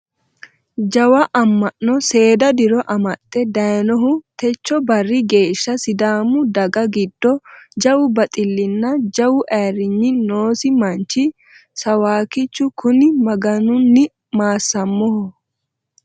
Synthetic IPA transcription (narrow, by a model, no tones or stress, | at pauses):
d͡ʒɐwɐʔɐmːɐnːɔse̞ːd̪ɐd̪ɪɾɔʔɐmɐt̪ʼːɛd̪ɐjnɔɦʊt̪ɛt͡ʃːɔbɐrːɪɡe̞ːʃːɐsɪd̪aːmʊd̪ɐɡɐɡɪd̪ːɔd͡ʒɐwʊbɐt̪ʼɪlːɪnːɐd͡ʒɐwʊʔɛːɾːɪɲːɪnoːsɪmɐnt͡ʃːɪ | sɐwaːkɪt͡ʃːʊkʰʊnɪmɐɡɐnʊnːɪ | maːsːɐmːɔhɔ